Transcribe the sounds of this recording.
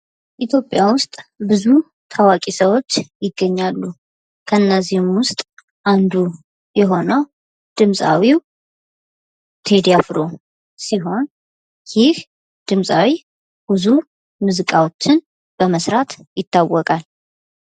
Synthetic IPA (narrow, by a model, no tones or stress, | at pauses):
ʔit̪ʰjo̞pʼːjawʊst̪ʼbɨzu | t̪ʰawakʼisəwo̞t͡ʃːjɪɡːəɲːalːu | kʰəɨnːəzihɪmwʊst̪ʼ | ʔand̪u | jɛɦo̞nəw | d̪̥ɨmsʼa̰wiw | t̪ʰed̪jafɾo | siɦo̞n | jɪh | d̪̥ɨmsʼawi | bɨzu | mɨzɨkʼawot͡ʃːɪn | b̥əməsɾat̪jɪt̪ʰːawːɔkʼal